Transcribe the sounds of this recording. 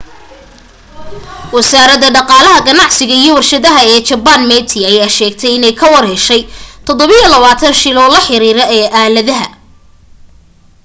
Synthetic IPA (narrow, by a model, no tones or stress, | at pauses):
wɐsaːɾɐðɐɖɑqɑːlɐɦɐɡɐnɑʕsɪɣɐijɔwɐrʃɐðɐɦɐɛːt͡ʃɐbanmɛt̪ʰɪɐjaːʃɛːɡ̚t̪ʰɛjɪnɛjkʰɐwɑrhɛːʃɛjt̪ʰɔd̪ɔβɪjɔlɐβaːt̪ʰɐnʃɪlɔlɐħɪɾiːɾɐʔɛːʔaːlɐðɐɦɐ̰